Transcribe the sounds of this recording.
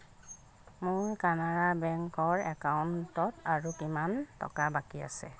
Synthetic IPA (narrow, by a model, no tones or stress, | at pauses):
mʊɹkanaɹabɛŋkɔɹɛkaʊntɔtaɹukimantɔ̰kabakia̰sɛ̰